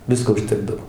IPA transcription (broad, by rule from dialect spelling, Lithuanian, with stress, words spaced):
ˈʋʲɪskoː ʊʃʲˈtʲæːɡdɐw